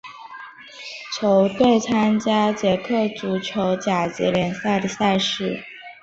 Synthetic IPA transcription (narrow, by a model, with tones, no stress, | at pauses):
t͡ɕʰjo˧˥ʊt̪we˥˩ɪt͡sʰa˥nt͡ɕja˥t͡ɕjɛ˧˥kʰɤ˥˩t͡su˧˥t͡ɕʰjo˧˥ʊt͡ɕja˨˩t͡ɕḭ˧˥ljɛ˧˥nsa˥˩ɪd̪i˧˩sa˥˧ɪʂɻ̩˥˩